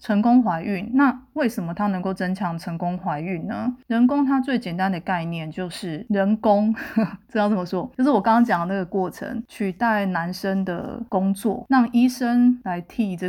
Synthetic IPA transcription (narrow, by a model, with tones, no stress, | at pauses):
ʈ͡ʂʰə˧˥ŋkʊ˦ŋxwa˧˥ɪʔy˥˨˩nna˥˨we˥˩ɪʂə˨˩mə˦t̪ʰa˦nə˧˥ŋko˥˩ʊt͡sə˦nt͡ɕʰjɑ˧˥ŋʈ͡ʂʰə˧˥ŋkʊ˥ŋxwa˧˥ɪy˥˩nnə̰˩˦ɻə˧˦˥nk̬ʊ˥ŋt̪ʰa˥t͡swe˥˩ɪt͡ɕjɛ˨˩nt̪a˦nd̪ə˨ka˥˧ɪnjɛ˥˨˩nt͡ɕjo˥˧ʊʂɻ̩˥˩ɻə˧˦˥nkʊ˦ŋʈ͡ʂ̩˧˥t̪ɑ˥˩ʊt͡sə˧˩mə˧ʂwɔ˦˥t͡ɕjo˥ʊʂ̬ɻ̩˥˩wkɑ˥ŋɑ˥ŋt͡ɕjɑ˨˩ŋlə˨˩na˥˩ɡə˩kwɔ˥˩ʈ͡ʂʰə̰˧˥ŋt͡ɕʰy˥˧t̪a˥˩ɪna˧˦nʂə˦nd̪ə̰˨kʊ˦ŋt͡swɔ̰˥˨ɻɑ˥˨˩ŋi˥ʂə˦˥nla˧˦ɪt̪ʰi˨˩ʈ͡ʂə˥˧˩